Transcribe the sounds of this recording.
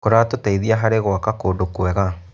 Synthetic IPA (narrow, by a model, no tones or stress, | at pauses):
koɾatotaiðiaɦaɾeɣwakakoːdokwɛɣa